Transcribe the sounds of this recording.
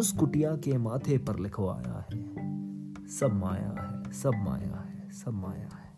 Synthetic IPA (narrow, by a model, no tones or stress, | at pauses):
ʊskʊʈijakemaːt̪ʰepɐɾlɪkʰoa̰ːja̰ɦɛː | sɐbʱmaːja̰ɦɛːsɐbʱma̰ːja̰ɦɛːsɐb̚maːja̰ɦɛː